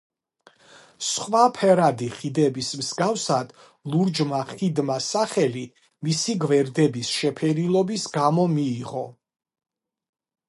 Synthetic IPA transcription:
sχwapʰɛɾad̪iχid̪ɛbismzɡafsad̪̥ | lˠuɾd͡ʒmaχid̪masaχɛli | misiɡvɛɾd̪ɛbisʃɛpʰɛɾilˠɔbisɡamɔmiːʁɔ

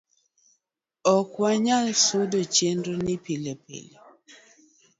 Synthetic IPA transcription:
ɔkwaɲalsʊdot͡ʃendonɪpilepḛle

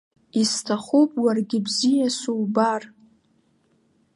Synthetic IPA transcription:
istʰaχupʼwarɡʲɪbzijasuwbar

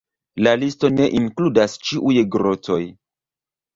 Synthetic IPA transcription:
lalisto̞ne̞ʔiŋkludast͡ʃiʔujɡɾoto̞j

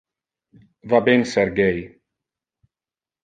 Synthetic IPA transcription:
vabensɛɾɡej

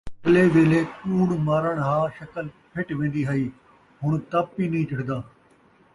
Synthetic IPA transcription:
kleːʋeːleːkuːɽmaːɾəɳɦaːʃəkəl | pʰɪʈʋẽːnd̪iːɦəiː | ɦʊɳt̪aːpːiːnĩːt͡ʃəʈʰd̪aː

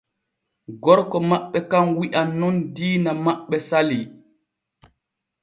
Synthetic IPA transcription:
ɡɔɾkɔmaɓːɛkamwiʔanːɔndiːnamaɓːɛsali

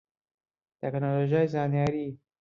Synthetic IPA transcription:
t̪ɛknoloʒajzɑnjɑɾi

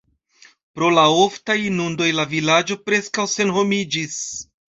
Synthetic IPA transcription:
pɾo̞laoftajinundo̞jlavilad͡ʒo̞pɾe̞skawse̞nɦo̞mid͡ʒis

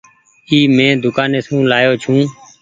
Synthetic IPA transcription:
iːmẽːd̪ʊkaːneːsũːlaːjoːt͡ʃʰũː

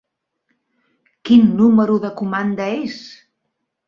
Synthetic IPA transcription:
kinːuməɾuðəkumand̪əes

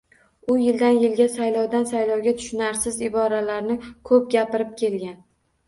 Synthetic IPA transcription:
ʊjɪld̪anjɪlɡʲasajlɒwd̪ansajlɒwɡʲat̪ʰʊ̥ʃɪnaɾsɪzɪbɒɾalaɾnɪkʰɵp̚ɡʲapɪɾɪp̚kʲʰe̞lɡʲan

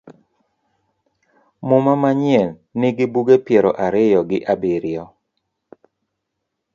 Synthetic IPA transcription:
mʊmamaɲjɛnnɪɡɪbuɡepjɛɾɔʔaɾɪjɔɡɪʔabɪɾjɔ

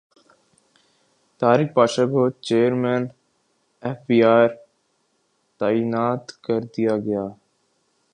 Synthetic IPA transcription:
t̪aːɾɪk̚paːʃaːkot͡ʃeːəɾmeːn | eːfbiːaːɾ | t̪aːiːnaːt̪kəɾd̪ijaːɡəjaː

